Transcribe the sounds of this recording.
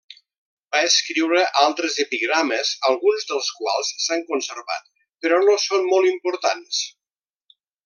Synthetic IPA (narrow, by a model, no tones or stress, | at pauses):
baəskɾiwɾəʔalˠt̪ɾəzəpiɣɾaməzəlˠɣunzðəlˠskwa̰lˠsːaŋkunsəɾβa̰t̪̚ | pəɾɔnosonmolˠimpuɾt̪ans